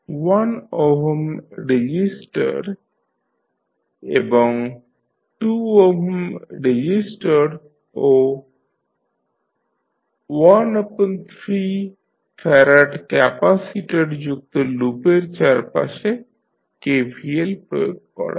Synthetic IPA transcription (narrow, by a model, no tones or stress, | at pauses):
wanɔɦmɾed͡ʒisʈə̰ɾ | ebɔŋ | ʈuɔɦəmɾed͡ʑisʈəɖ | o | wanəpənt̪ʰɾi | fʰɛɾaʈkɛpasiʈeɖd͡ʒuk̚t̪olupeɾt͡ʃaɾpa̰ʃe | kebʱielpɾɔ̰joɡ̚kɔ̰ɽa̰